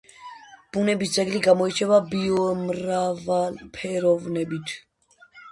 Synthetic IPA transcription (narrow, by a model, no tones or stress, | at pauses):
b̥unɛbit͡saɡliɡamɔit͡ʃʰɛvabiɔmɾavalpʰɛɾɔvnɛbit̪ʰ